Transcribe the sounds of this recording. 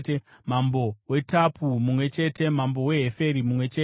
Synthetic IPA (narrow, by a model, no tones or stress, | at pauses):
mambo̞we̞tapumumwe̞t͡ʃe̞te̞mambo̞we̞ɦefe̞ɾimumwe̞t͡ʃeː